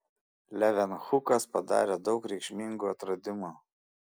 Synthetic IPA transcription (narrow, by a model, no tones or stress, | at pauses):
lʲɛʋʲɛnxʊkɐspɐd̪ɑ̰ːɾʲɛd̪ɒʊkɾʲɛɪkʃʲmʲɪŋɡuːɐt̪ɾɐd̪ʲɪmuː